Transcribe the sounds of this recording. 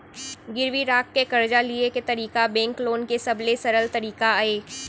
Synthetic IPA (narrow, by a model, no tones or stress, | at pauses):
ɡɪɾʋiɾaːkːekɐɾd͡ʒalieket̪ɐɾiːkabɛ̃ːŋkloːnkesɐblesɐɾəlt̪ɐɾiːkaaːeː